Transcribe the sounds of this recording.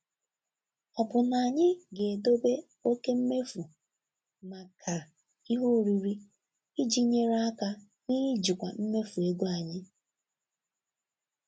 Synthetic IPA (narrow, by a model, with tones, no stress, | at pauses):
ɔ˨bʊ˨na˨ɲɪ˦ɡe˨do˦be˦ | o˦ke˦m̩˦me˦fu˨ | ma˨kʰa˨ | i˦ɦo˦˨ɾi˨ɾi˦ | i˦d͡ʒi˦ɲe˦ɾa˦a˦ka˦ | ni˦ɾi˦d͡ʒi˨kʷa˨m̩˦me˦fu˨e˦ɡo˦a˨ɲɪ˦